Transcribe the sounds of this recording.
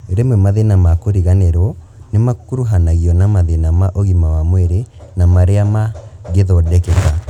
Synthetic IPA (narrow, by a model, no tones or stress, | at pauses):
eɾemwɛmaðenamakoɾiɣanɛɾɔ | nemakuɾuɦanaɣiɔnamaðenamaʔoɣimawamwɛɾenamaɾeamaɣeðɔdɛkɛka